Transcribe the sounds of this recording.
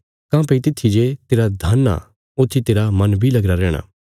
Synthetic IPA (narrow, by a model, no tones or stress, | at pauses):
kãːpeit̪ɪt̪ʰːid͡ʒet̪eːɾad̪ʱɐnːa̰ | ʊt̪ʰːit̪eːɾamɐnbʱilɐɡɾaɾɛːɽ̃a̰ː